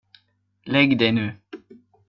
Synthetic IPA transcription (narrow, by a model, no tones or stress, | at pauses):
lɛɡd̪ɛnø